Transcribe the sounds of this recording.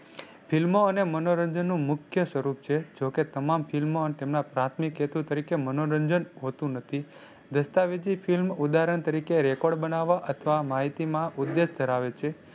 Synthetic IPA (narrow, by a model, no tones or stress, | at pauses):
filmoənemənoɾəɲd͡ʒənːũmʊkʰjəsʋəɾup̚t͡ʃʰed͡ʒoket̪əmamfilmoənt̪emnapɾat̪ʰmiket̪ut̪əɾikemənoɾəɲd͡ʒənɦot̪ũnət̪ʰi | d̪əst̪aʋid͡ʒifʰilmud̪aɾəɳt̪əɾikeɾɛkɔɖbənaʋaʔət̪ʰəʋamaɦit̪imãʔud̪ːeʃd̪ʱəɾaʋet͡ʃʰe